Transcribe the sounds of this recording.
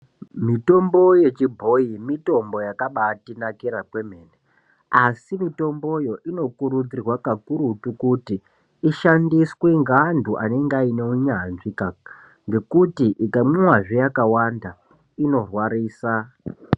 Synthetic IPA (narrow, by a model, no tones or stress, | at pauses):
mito̞mbo̞je̞t͡ʃibʱo̞imito̞mbo̞jakaɓatinakiɾakwe̞m̤e̞ːne | asimito̞mbo̞jo̞ʔino̞kuɾud͡zirwakakuɾutukutiː | ʃandiswe̞ŋɡandʱuʔa̰ne̞ŋɡaine̞uɲanʐika | ŋɡe̞kutiʔikamwemwaʐijakawanda | ino̞rwaɾiːsa